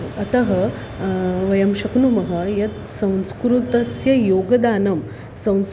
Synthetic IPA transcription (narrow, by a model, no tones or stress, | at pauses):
ɐt̪ɐɦɐ | ʋɐjɐmʃɐknumɐɦɐjɐt̪ | sɐ̃w̃skɾut̪ɐsjɐjoːɡɐd̪aːnɐm | sɐ̃w̃s